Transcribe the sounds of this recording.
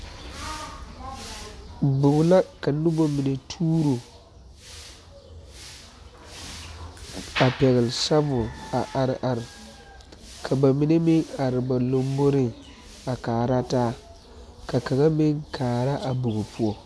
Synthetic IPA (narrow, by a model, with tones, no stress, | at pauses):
bʊ˨ɡʊ˨la˦ka˨nʊ˦bo˦mi˨ne˨tʰuː˦ɾu˨ | a˨pɛ˨ɣɪ˨lsa˦vʊ˨a˨ʔa˨ɾʔa˨ɾ | kʰa˨ba˨mɪ˨ne˦mɪ˦ŋa˨ɾɪ˨ba˨lo˦m˦bo˦ɾɪ˦ | a˨kaː˨ɾa˦taː˦ | ka˨ka˨ŋa˦mɪ˦ŋkʰaː˨ɾa˦ʔa˨bʊ˨ɡʊ˨pu˦ɔ˦